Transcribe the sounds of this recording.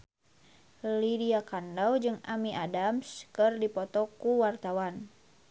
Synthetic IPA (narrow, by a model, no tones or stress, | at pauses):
lidiakandawd͡ʒɨŋamiʔadamskɨrdipɔt̪ɔkuwart̪awan